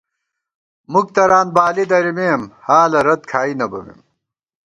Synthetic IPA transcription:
muk̚t̪ɐɾaːnbaːlid̪ɐɾimeːmhaːlɐɾɐt̪̚kʰaːinɐbɐ̰mḛm

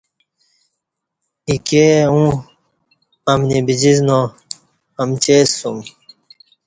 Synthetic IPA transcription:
ikeũ | ɐmnibid͡ʑiznõ | ɐmt͡ɕeːsum

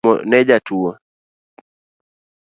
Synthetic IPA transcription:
ɔ̰nɛd͡ʒatuɔ

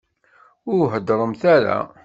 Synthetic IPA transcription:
ʊɾɦəd̪ɾˤəmθæɾæ̰

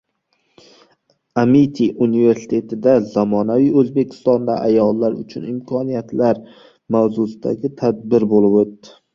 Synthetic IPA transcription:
amit̪ʰiʔunive̞ɾsɪ̥t̪ʰe̞t̪ʰɪd̪azɒmɒnavijɵzbe̞kʲʰɪ̥st̪ɒnd̪aʔajɒlˠːaɾʊt͡ʃʰʊnɪmkʰɒnijat̪laɾ | mawzʊsɪd̪a̰ɡʲɪt̪ʰad̪̚bɪɾbolɪpot̪ːɪ

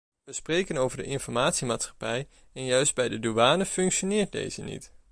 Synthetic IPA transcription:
ʋəsprejkənowvəɹdə̰ʔɪnfɔɹmaːtsimaːtsχḁpɛj | ɛnjœɥsd̚bɛjdəduʋaːnəfɵŋkʃonɪːɹt̚dḛjzə̰nḭt

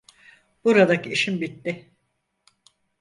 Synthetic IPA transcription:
buɾad̪akiʃimbit̪ːɪ

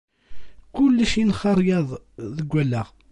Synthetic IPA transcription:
kʊlːæʃinχɑɾˤjɑðˤðəɡʷːælːæʁ

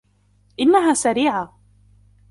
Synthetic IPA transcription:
ʔɪnːaɦaːsaɾiːʕa

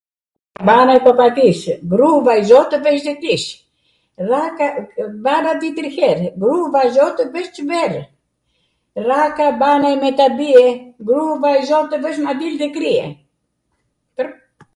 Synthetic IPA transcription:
banaɛpɔpat̪isɡɾuvaizɔt̪əvɛʃ̬d̪ɛkɾis | rakabaɾat̪it̪əɾhɛɾɡɾuvazɔt̪əvɛʃt͡ʃəbɛɾ | rakabanaɛmɛt̪abiɛɡɾuvaizɔt̪əvɛʃ̬mad̪ild̪ɛkɾiɛ̰ | pəɾ

